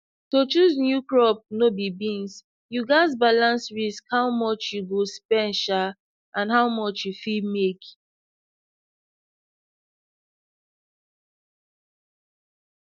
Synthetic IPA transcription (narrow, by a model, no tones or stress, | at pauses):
tot͡ʃuznjukɹɔp̚nobibĩns | juɡaɪz̬balãnsɹiskhawmɔt͡ʃjuɡospɛ̃nʃa | ʔãnɦaʊmɔt͡ʃjufidmek